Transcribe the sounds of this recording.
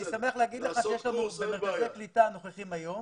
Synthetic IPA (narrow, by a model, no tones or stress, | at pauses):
nisame̞aχleaɡid̪leχaʃejeʃlanuemeʁazeklit̪ano̞χeχimajo̞m